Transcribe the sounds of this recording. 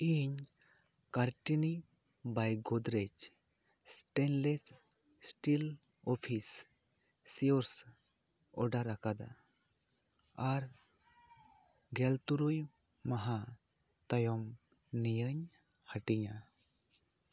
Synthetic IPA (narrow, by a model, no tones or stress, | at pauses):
iɲ | kaɾʈini | bajɡod̪ɾet͡ʃ | sʈenles | sʈil | ɔpʰisː | iɔɾs | ɔɖaɾakad̪a̰ | aɾ | ɡelt̪uɾuj | maɦa | t̪əjɔm | nijəɲ | həʈija